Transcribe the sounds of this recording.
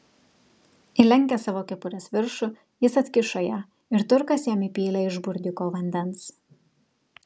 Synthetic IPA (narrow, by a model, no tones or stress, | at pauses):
ɪlʲɛŋʲkʲɛsɑːʋoːkʲɛpʊɾʲɛsʋʲɪɾʃʊ | jɪsɐt̪ʲkʲɪʃoːjæː | ɪɾt̪ʊɾkɐsjæːmipʲiːlʲɛɪʒbʊɾʲd̪ʲɪkoːʋɐnʲd̪ʲɛns